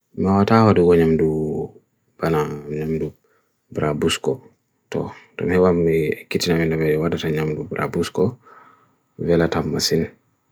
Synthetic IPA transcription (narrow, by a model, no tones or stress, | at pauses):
mawatawaduɡɔɲamdu | b̥anaɲamdu | bɾabuskɔ | tɔ̰dɔ̰nhɛwamːikitinamindabɛwadataɲamdubɾʔa̰buskɔ | vɛlatamːasin